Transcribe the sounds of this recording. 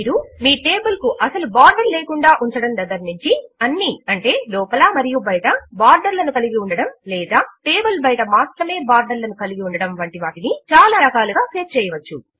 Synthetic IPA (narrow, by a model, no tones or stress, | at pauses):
ɾumiːʈeːbɐlkuʔɐsɐlubaːɾɖɐɾleːkuɳɖaːʔuɲt͡ʃɐɽɐmd̪ɐd̪ɐɾniɲt͡ʃiɐnːiɐɳʈe̞ːlɔːpɐlaːmɐɾijubɐjʈɐbaːɾɖɐɾlɐnukɐliɡiuɳɖɐɽɐmlɛːd̪aːʈeːbɐlbɐjʈɐmaːst̪ɾɐme̞ːbaːɾɖɐɾlɐnukɐliɡiuɳɖɐɽɐmʋɐɳʈiʋaːʈinit͡ʃaːlaːɾɐkaːluɡaːseːpt͡ʃɛːjɐʋɐt͡ʃːṵ